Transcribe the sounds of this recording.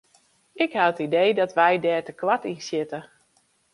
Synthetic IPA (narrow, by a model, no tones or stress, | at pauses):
ɪkhaətidejdɔtʋɛjdɛːtəklatinsjɪtə